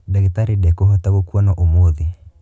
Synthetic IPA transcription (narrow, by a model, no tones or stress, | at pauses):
daɣitaɾidɛkoɦɔtaɣokuanɔʔomoði